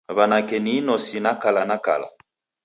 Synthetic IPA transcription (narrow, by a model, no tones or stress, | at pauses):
βanakɛninɔsinakalanaka̰la̰